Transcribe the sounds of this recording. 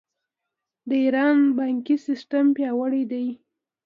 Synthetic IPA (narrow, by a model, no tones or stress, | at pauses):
d̪əiɾɑnbɑŋkisɪsʈampjɑwəɽid̪aj